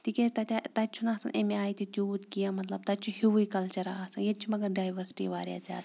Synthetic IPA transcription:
t̪ikest̪ɐt̪ʲt̪ɐt͡ʃʰunaːsɐ̰nʔḛmeaːit̪it̪juut̪kijamɐt̪lɐb̚t̪ɐt͡ʃʰuhiʋuikɐlt͡ʃɐɾa̰aːsɐnjet͡ʃʰumɐɡɐɾɖaːjʋɐɾsi̥ʈḭʋaːɾja̰ːt͡sa̰ːt̪

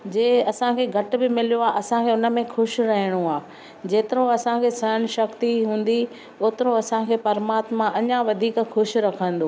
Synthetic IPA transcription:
d͡ʑeːɐsãkʰeːɡʱɐʈ̆bɪmɪlijoaːʔɐsãkʰeʊnə̆mẽxʊʃɾɐɦiɽ̃oaː | d͡ʑeːt̪ɪɾõɐsãkʰeːsɐəñɪ̆ʃɐkt̪iɦũːn̆d̪i | oːt̪ɪɾõɐsãkʰeːpɐɾmaːt̪mãʔɐɲãʋɐd̪ʱiːkxʊʃɾɐkʰə̃nd̪oː

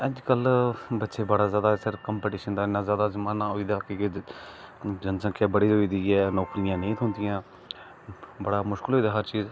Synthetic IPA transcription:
əd͡ʒkəlbətːʃeːbəɽaːzjaːd̪aːsəɾkəmpɛːʈiːʃənd̪aːɪnaːzjaːd̪aːzəmaːnaːɦoːiːd̪aːkek | d͡ʒənsə̃kɛːbəɽiːoːiːd̪iːɛːnɔːklɪjãːnẽːt̪ʰõːnd̪ɪjãː | bəɽaːmʊʃkɪlɦoːiːd̪aːɦəɾt͡ʃiːz

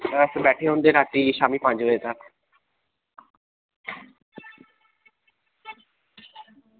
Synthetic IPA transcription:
aɾasebɛʈʰeond̪eɾaʈːiʃamipãd͡ʑoet̪ak

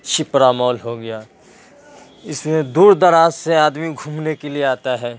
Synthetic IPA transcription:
tːʃʰipɾaːmɔːlɦoɡɐjaː | ɪsmẽd̪uːɾd̪ɐɾaːzseaːd̪miɡʱuːmnekelieaːt̪aɦɛː

